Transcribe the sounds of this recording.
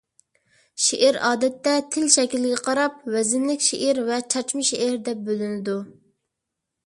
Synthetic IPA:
ʃeʔɪɾɑːd̪ɛt̪ːɛt̪ʰɪlʃɛkʲilɪɡʲɛqʰɑɾɑp̚wɛzɪnlɪkʲʃḛʔɪɾvɛt͡ʃʰɑt͡ʃmɨʃeʔɪɾd̪ɛp̚bølɪnɪd̪u

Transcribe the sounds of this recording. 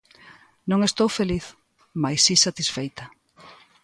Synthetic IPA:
nõŋest̪owfeliθ | majsisat̪isfejt̪ɐ

